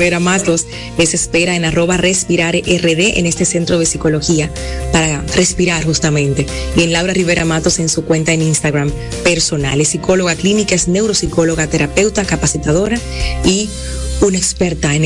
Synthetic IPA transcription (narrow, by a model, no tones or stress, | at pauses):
eɾamat̪o̞s | lesespe̞ɾae̞naro̞βare̞spiɾaɾʔere̞ðe̞ʔḛne̞st̪e̞se̞nt̪ɾo̞ðe̞siko̞lo̞xia | paɾare̞spiɾaɾxust̪amẽ̞nt̪e̞ie̞nlawɾariβe̞ɾʔamat̪o̞se̞nsukwe̞nt̪aeninst̪aɣɾam | pe̞ɾso̞nalesiko̞lo̞ɣaklinikaesne̞wɾo̞siko̞lo̞ɣat̪e̞ɾape̞wt̪akapasit̪aðo̞ɾa | i | unekspe̞ɾt̪aen